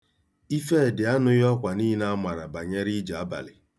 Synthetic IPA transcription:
i˦fe˦˨dɪ˨a˦nʊ˦jɔ˦kʷa˨niː˦i˦na˦a˦ma˨ɾa˨ba˨ɲe˦ɾi˦d͡ʒa˨a˦ba̰˨lɪ˨

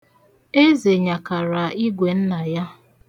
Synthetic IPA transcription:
e˦ze˨ɲa˨ka˨ɾa˨i˦ɡʷe˨n̩˦na˨ja˦

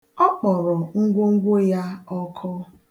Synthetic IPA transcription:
ɔ˦k͡pɔ˨ɾɔ˨ŋ̩˦ɡʷo˦ŋ̩˦ɡʷʊ˦ja˦ɔ˦kʰɔ˦

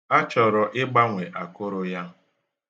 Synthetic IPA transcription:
a˦t͡ʃɔ˨ɾɔ˨ʔɪ˦ɡ͡ba˦ŋʷe˨ʔa˨kʊ˦ɾʊ˦ja˦

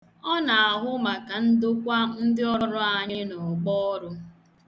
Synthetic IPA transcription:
ɔ˦na˨a˨ɦʊ˦ma˨ka˨n̩˦dʊ˦kʷa˦n̩˦dɪ˦ɔ˦ɾʊ˦a˨ɲɪ˦nɔ˨ɡ͡bɔ˦ɔ˦ɾʊ˦

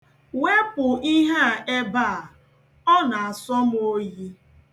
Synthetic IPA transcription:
we˦pʊ˨i˦ɦe˦a˨ʔe˦ba˦˨a˨ | ɔ˦na˨a˨sɔ˦m˦o˦ji˦

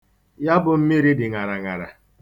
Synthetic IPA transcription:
ja˦bʊ˨m̩˦mi˦ɾi˦dɪ˨ŋa˨ɾa˨ŋa˨ɾa̰˨

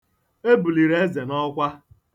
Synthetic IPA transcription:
e˦bu˨li˨ɾe˦e˦ze˨nɔ˦kʷa˦

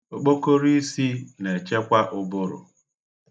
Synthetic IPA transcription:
o˨k͡po˦ko˦ɾi˦i˦si˦ne˨t͡ʃe˦kʷa˦ʔʊ˦bʊ˦ɾʊ̰˨

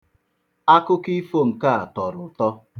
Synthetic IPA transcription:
a˦kʊ˦ki˦fo˦ŋ̩˨ka˦˨a˨tɔ˨ɾʊ˨tɔ˦

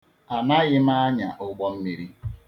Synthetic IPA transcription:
a˨na˦ɣɪ˦m˦a˦ɲa̰˨ʔʊ˦ɡ͡bɔ˦m̩˦mi˨ɾi˦

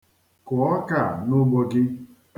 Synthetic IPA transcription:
kʊ˨ɔ˦ka˨nʊ˦ɡ͡bo˦ɡɪ˦

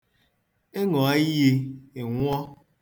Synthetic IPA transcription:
e˦ŋɔ˨a˦i˦je˧e˨ŋʷ˦ɔ˦

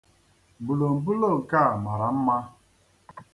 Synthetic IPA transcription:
bu˨lo˨m̩˨bu˦lo˦˨ka˦˨ma˨ɾa˨m̩˦ma˦

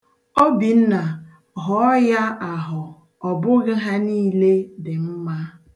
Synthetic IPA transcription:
o˦bi˨n̩˦na˨ | ɦɔ˨˦ɔ˦ja˦a˨ɦʊ˨ | ɔ˨bʊ˦ɣɪ˦ɦa˦niː˦le˦dɪ˨m̩˦ma˦

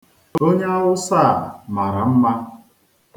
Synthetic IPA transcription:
o˦ɲ˦a˦ɦʊ˦sa˦˨ma˨ɾa˨m̩˦ma˦

